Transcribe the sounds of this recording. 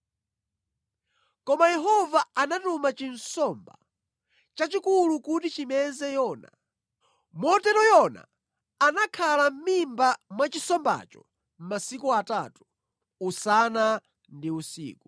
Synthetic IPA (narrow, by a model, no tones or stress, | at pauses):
kɔmajɛɦɔvaanatumat͡ʃinsɔmba̰ | t͡ʃat͡ʃikulukut̬it͡ʃimɛzɛjɔːna | mɔtɛɾɔjɔna̰ | anakʰalam̩mimbamwat͡ʃisɔmba̰t͡ʃɔ̰ | m̩masikuatatu | usana | ndiusḭːku